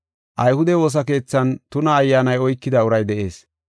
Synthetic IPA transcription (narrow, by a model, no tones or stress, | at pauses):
ʔɐjhʊd̪ɛwo̞ːs̬ɐke̞ːt͡sːɐnt̪ʊnɐːjːaːnɐjɔjkːɪd̪ɐʊɾɐjd̪ɛʔe̞̰ːs